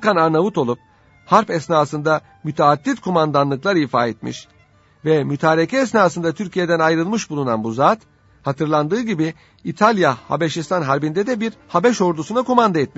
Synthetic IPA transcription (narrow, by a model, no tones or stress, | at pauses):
kanaɾnavut̪o̞lˠup̚ | haɾpɛsnaːsɯnd̪a | myt̪ʰeːd̪ːit̪kʰomand̪anlˠɯklˠaɾifaːɛt̪mḭʃ | vɛmyt̪ʰaːɾecʰɛːs̬naːsɯnd̪at̪ʰyɾcʰije̞d̪ænajɾɯlˠmɯʃbulˠuna̰nbuzaːt̪ | hat̪ʰɯɾlˠand̪ɯːɟibiː | t̪ʰalʲjaha̰beʃist̪ʰanɦaɾbind̪ɛd̪ɛbiɾhabɛʃo̞ɾd̪usunakomand̪aɛt̪̚miʃ